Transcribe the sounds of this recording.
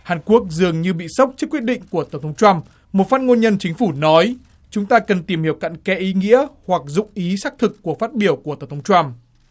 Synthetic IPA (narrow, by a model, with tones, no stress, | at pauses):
haː˨˩nku˦˥ək̚zɨ˨˩əŋɲɨ˧ɓḭ˧˨sə˦˥wk͡p̚t͡ɕɨ˦˥kwi˦˥t̚ɗḭ̈˧˨ŋ̟ku˧˩ət̪ə˧˩ŋ͡mt̪ʰŋ͡mt͡ɕwa˧m | mo˨˩t̚faː˦˥t̚ŋo˧nɲə˧nt͡ɕï˨˦ŋ̟fu˧˩nɔ˨˦j | t͡ɕʊ˨˦ŋ͡mt̪aː˧kə˨˩nt̪i˨˩mhi˨˩əw̚ka̰˧˨nkɛ˧˥ʔi˨˦ŋḭ˧˥əhwa˨˩k̚zʊ̰˧˨ŋ͡mʔi˨˦saː˦˥k̚t̪ʰɨ˨˩kːu˧˩əfaː˦˥t̚ɓi˧˩əwku˧˩ət̪ə˨˩ŋ͡mt̪ʰŋ͡mt͡ɕwa˧m